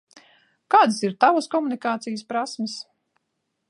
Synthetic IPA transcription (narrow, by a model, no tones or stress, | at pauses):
kaːd̪siɾt̪avaskɔmunikaːt̪sijspɾasməs